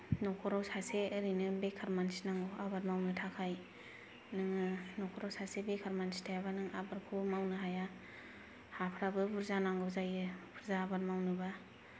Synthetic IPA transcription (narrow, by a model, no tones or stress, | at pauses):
nɔkʰɔɾawsaseɯɾinɯbekʰaɾmansi̥naŋɡɯabaɾmawnɯtʰakʰaj | nɯŋɯnɔkʰɔɾawsasebekʰaɾmansi̥tʰajabanɯŋabaɾkʰumawnɯɦaja | hapʰɾabɯbʰuɾzanaŋɡɯzajɯpʰuɾzaːbaɾmawnɯba